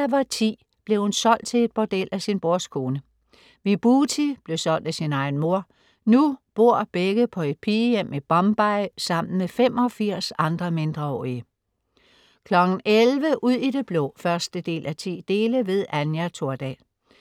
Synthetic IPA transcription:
æʋɐt͡sʰḭː | b̥le̝hunsɒ̽l̰d̥̚t͡sʰe̝le̝d̥̚b̥ɒd̥el̰æsinb̥oɐskʰo̝ːnə | ʋib̥uːt͡sʰib̥le̝ʊsɒ̽l̰d̥æsinɑ̈ɪn̩mo̝ɐ̰ | nub̥o̝ɐ̰b̥eɡ̥əpʰɒ̽e̝d̥̚pʰiːjem̰eb̥ɒ̽mb̥ɑ̈ɪsɑ̈m̰n̩mefem̰ɒ̽fiɐ̰sɑ̈nd̥ʁɐme̝nd̥ʁɐɒ̰ːiə | kʰlɒ̽ɡ̥n̩elʋəʔuð̰ˠid̥e̝b̥lɔ̰fɶɐsd̥əd̥e̝̰ːlʔæt͡sʰḭːd̥e̝ːləʋe̝ðˠænjæt͡sʰo̝ɐ̰d̥ɛ̰ː

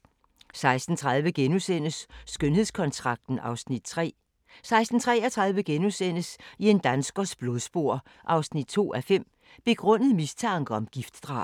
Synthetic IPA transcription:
sɑ̈ɪsd̥n̩t͡sʰʁɑ̈ðˠʋəɡ̥enusen̰əsːɡ̥ønhe̝skʰɒ̽nt͡sʰʁɑ̈ɡ̥̚d̥n̩ɑ̈ʊsnid̥ʰʁɛ̰ː | sɑ̈ɪsd̥n̩t͡sʰʁɛ̰ɐt͡sʰʁɑ̈ðˠʋəɡ̥enusen̰əsie̝nd̥ænsɡ̥ɐsb̥lo̝ð̞ˠsb̥o̝ɐ̰ | ʔɑ̈ʊsnid̥̚t͡sʰo̝̰ːæfem̰ | b̥e̝ɡ̥ʁɔ̽n̰əð̩ˠmist͡sʰɑ̈ŋɡ̥əɒ̽mɡ̥ifd̥d̥ʁɑ̈ː

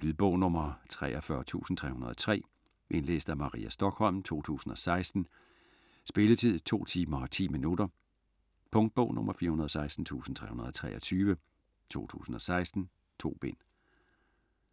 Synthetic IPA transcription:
lyðˠb̥ɔ̽ʊ̰nɔmɐt͡sʰʁɛ̰ːʔɒ̽fɶːɐt͡sʰṵːsn̩t͡sʰʁɛ̰ːhunɐð̞ˠɒ̥̽t͡sʰʁɛ̰ː | ʔe̝nlḛːsd̥æmɑ̈ʁḭːæsd̥ɒ̽ɡ̥hɒ̽l̰mt͡sʰo̝̰ːt͡sʰṵːsn̩ɒ̽sɑ̈ɪsd̥n̩ | sb̥e̝lət͡sʰið̰ˠt͡sʰo̝̰ːt͡sʰḭːmɐɒt͡sʰḭːminudɐ | pʰɔ̽ŋd̥̚b̥ɔʊ̰nʔɔ̽mʔɐfiːɐhunɐð̞ˠɒsɑ̈ɪsd̥n̩t͡sʰṵːsn̩t͡sʰʁɛ̰ːhunɐð̞ˠɒ̽t͡sʰʁɛ̰ːɒt͡sʰyːʋə | t͡sʰo̝̰ːt͡sʰṵːsn̩ɒ̽sɑ̈ɪsd̥n̩ | t͡sʰo̝̰ːb̥e̝n̰

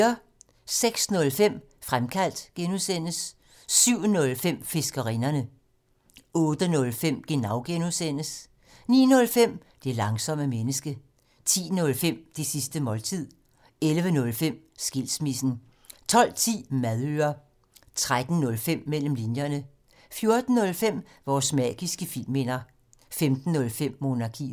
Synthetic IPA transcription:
ɐ | seɡ̥snɔ̽lfem̰ | fʁamkʰæl̰d̥ɡ̥enusen̰əsː | yʊ̰nɔ̽lfem̰fe̝sɡ̥ɐʁḭnɐnə | ɔ̽ːd̥ənɔ̽lfem̰ɡ̥e̝nɑ̈ʊɡ̥enusen̰əs | nḭːnɔ̽lfem̰d̥e̝lɑ̈ŋsɒ̽m̰əmenəsɡ̥ə | t͡sʰḭːnɔ̽lfem̰d̥e̝sisd̥əmɒ̽lt͡sʰið̰ˠ | elʋənɔ̽lfem̰ | sɡ̥ilsmisn̩ | t͡sʰɒ̽l̰t͡sʰḭːmæðˠøːɐ | t͡sʰʁad̥n̩nɔ̽lfem̰mel̰m̩linjɐnə | fjo̝ɐd̥n̩nɔ̽lfem̰ | ʋɒːsmɛ̰ɡ̥isɡ̥əfil̰me̝nɐ | femd̥n̩ːɔ̽lfem̰ːo̝nɑ̈kʰḭː

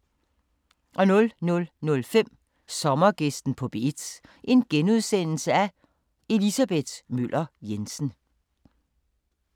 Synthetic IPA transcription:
ʔɒ̽nɔ̽lnɔ̽lnɔ̽lfem̰ | sɒ̽mɐɡ̥esd̥n̩pʰɒ̽b̥e̝d̥ʔe̝nɡ̥enuð̞ˠsen̰l̩səæ | e̝lisæb̥e̝d̥myl̰ʔɐjensn̩

